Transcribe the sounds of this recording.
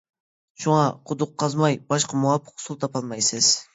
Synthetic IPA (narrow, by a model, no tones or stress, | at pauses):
ʃuŋɑqʰʊd̪ʊqʰːɑzmɑjbɑʃqʰɑmuwɑpʰːə̥qʰsulˠt̪ʰɑpʰɑlˠmɑjsɨz̥